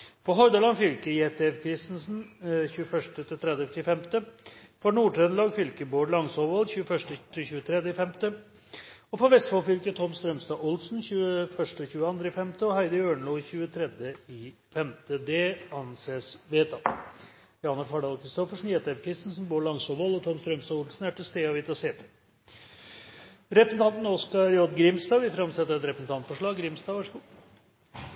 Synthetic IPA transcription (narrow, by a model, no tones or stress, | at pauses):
pʰɔɦɔɾd̪əlɑnfʏlkəjɛt̪ɛfkʰɾɪst̪nsn̩çʉːəfœʂʈət̪ʰɪlt̪ʰɾɛd̪ət̪ɪfɛmt̪əfɔɳuːʈʰɾɛnlɑːɡfʏlkəboːɾɭɑŋsɔʋɔlçʉːəfœʂʈət̪ʰɪçʉːət̪ʰɾɛd̪əɪfɛmt̪ə | ɔpʰɔʋɛst̪fɑlfʏlkət̪ʰɔmst̪ɾœmst̪ɑːʔʊlsn̩çʉːəfœʂʈəɔçʉːəɑnd̪ɾəɪfɛmt̪əɔhæɪd̪əɾøːɳɭoːçʉːət̪ʰɾɛd̪əɪ | fɛmt̪əd̪ɛɑnseːsʋeːt̪ʰɑ | jɑːɑnɑɾfɑɖɑlkʰɾɪst̪ɔfəʂɳ̩jɛt̪ɛɾkʰɾɪst̪n̩sɔmbuːɭɑŋsɔʋɔlɔt̪ʰɔmst̪ɾœmst̪ɑːʊlsn̩æʈʰɪlst̪eːɑʋɪt̪ɑseːt̪ə̥ | ɾɛpəsn̩t̪ʰɑnt̪noskɑɾjɔd̪ɡɾɪmsd̪ɑːʋɪfɾɑmsɛt̪ːəɾɛt̪ɾɛpəsn̩t̪ʰɑnt̪fɔʂɭɑːɡɡɾɪmsd̪ɑːʋæʂəɡuː